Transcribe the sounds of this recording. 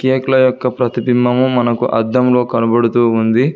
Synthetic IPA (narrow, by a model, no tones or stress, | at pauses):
keːkɐlɐjɔkːɐpɾɐt̪ipimːɐmumɐnɐkṵʔɐ̰d̪ːɐmlo̞ːkɐnɐbɐɽut̪uːund̪i